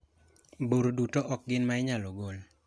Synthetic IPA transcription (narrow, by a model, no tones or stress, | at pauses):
boɾodutoʔɔk̚ɡɪnmaɪɲalɔɡol